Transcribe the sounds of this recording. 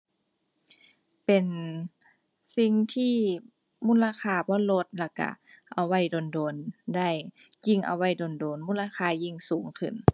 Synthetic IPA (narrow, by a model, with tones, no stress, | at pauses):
pe˨n | si˧˥ŋt̪ʰiː˧˥˨ | muː˥˨nla˧kʰaː˧˩bɔː˧˥˨nlo˧˥t̪̚la˧˩ka̰˧˩ | ʔa˧wa˧˩˨jdoː˨ndoː˨˧nda˥˩˨j | ji˧˩ŋʔa̰˧wa˧˥˩jdo˨˧ndoː˨nmuː˧˥˨nlaː˧xʰaː˧ji˧˩ŋsuː˨˩˦ŋkʰɯ̰˧˥˩n